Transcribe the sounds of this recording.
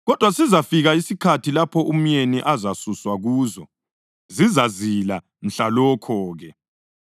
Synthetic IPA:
ɣɔd̥ʱwasizafiɣaisikʰatʰilapʰɔum̩jeniʔazasuswaɣuːzɔ | zizazila | m̩ɬalɔkʰɔːɣɛ

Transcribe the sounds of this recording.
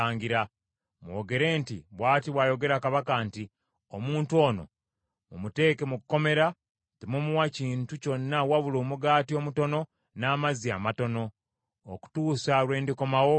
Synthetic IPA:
aːɲɡiɾa | mwoɡe̞ɾe̞ːntiβwaːtiβwajo̞ɡe̞ɾakaβakanti | omuːntuo̞ːno̞̰ | mumute̞ːke̞mukko̞me̞ɾa | timumuwaciːntuco̞nːawaβuloːmuɡaːtio̞ːmuto̞no̞ | naːmaziamato̞no̞ː | ku̥tuːsalwe̞ːndiko̞mawo̞

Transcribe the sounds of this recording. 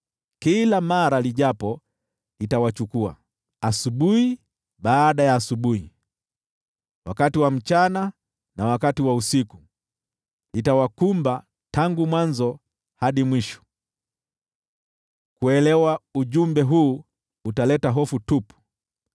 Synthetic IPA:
kilamaɾaliʄapɔ | litawat͡ʃukua̰ | asuɓuhi | ɓaːɗajaːsuɓuhi | wa̰katiwam̩t͡ʃana | nawakatiwausiku | litawakumba | taŋɡumwanzɔ | haɗimwiʃɔ̥ | kuɛlɛwauʄumbɛɦuː | talɛtaɦɔfutupu̥

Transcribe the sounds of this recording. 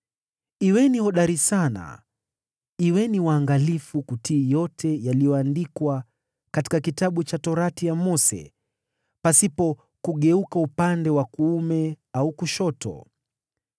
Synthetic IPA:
iwɛnihɔɗaɾisana̰ | iwɛniwaːŋɡalifukutiːjɔtʰɛjalijɔandikwa | kati̥kakitaɓut͡ʃatɔɾatijamɔsɛ̰ | pasipɔ | kuɠɛukaupandɛwakuumɛ | aukuʃɔtɔ̰

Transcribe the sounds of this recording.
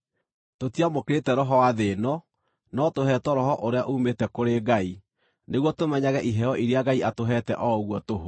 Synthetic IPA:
totiamokeɾetɛɾɔɦɔwaðenɔ | nɔtoɦɛtɔɾɔɦɔʔoɾeaʔumetɛkoɾeɡai | neɣwɔtomɛɲaɣɛʔiɦɛɔʔiɾeaɡaiatoɦɛtɛ̰ʔɔɣwɔtoɦo

